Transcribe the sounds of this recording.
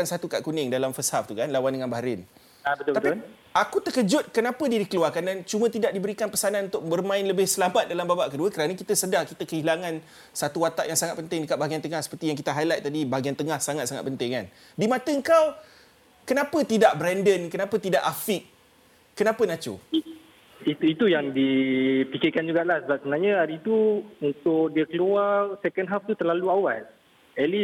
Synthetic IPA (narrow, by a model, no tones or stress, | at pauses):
ansat̪uka̰ʔkunɪŋdalamfəsaf̚t̪ukanlawandəŋanbaɦaɾɪn | bətt̪a | ʔakut̪əkəd͡ʒʊt̪̚kənãpədiədikəluarkandant͡ʃumə̃t̪idaʔ̚dibəɾikanpəsananunt̪ʊk̚bərmãɪnləbɪhsəlamat̪̚dalambabaʔkəduəkəɾanakit̪əsədahkit̪əkəilaŋãn | sat̪uwat̪aʔjaŋsaŋat̪̚pənt̪ɪŋdəkat̪̚baɡiant̪əŋahsə̥pərt̪ijaŋk̬it̪əɦajlat̪̚ːadibaɡiant̪əŋahsaŋat̪saŋa̰t̪̚pənt̪ɪŋkan | dimãt̪əəŋkaw | kənãpət̪idaʔbɾɛndənkənãpət̪idaʔafiʔ | kːənãpənãt͡ʃo̰i | it̪uit̪ujaŋdipikɪkand͡ʒuɡaʔlahsəbap̚səmənaɲãaɾit̪uunt̪ʊk̚diəkəluarsɛkənɦaft̪ut̪ərlaluawal | ɛli